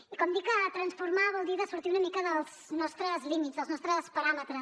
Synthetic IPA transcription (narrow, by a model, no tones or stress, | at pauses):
ikomd̪ikɐt̪ɾɐ̃nsfuɾmaðɐlˠd̪iðɐsuɾt̪iwunɐmikɐðɐz̥nɔst̪ɾɐzlˠimit̪zðɐznɔst̪ɾɐspɐɾamet̪ɾɐ